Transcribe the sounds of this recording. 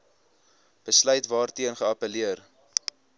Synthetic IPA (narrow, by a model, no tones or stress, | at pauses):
b̥əslœɥtvɑːrtiənχəɐpəliər